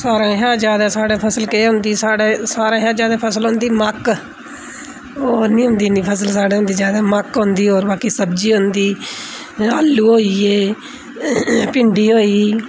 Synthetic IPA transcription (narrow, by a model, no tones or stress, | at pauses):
saːɾãːɦaːd͡ʒjaːd̪aːsaːɽaːpʰəsəlkeːɦʊ̃nd̪iːsaːɽeːsaːɾãːɦjãːd͡ʒjaːd̪aːpʰəsəlɦõːnd̪iːmək | oːnĩːɦʊ̃nd̪iːniːpʰəsəlsaːɽeːɦʊ̃nd̪iːd͡ʒaːd̪aːməkɦõnd̪iːoːɾbaːkiːsəbd͡ʒiːɦʊ̃nd̪iː | aːlːuːɦoːiːeː | pɪɳɖiːɦoːiː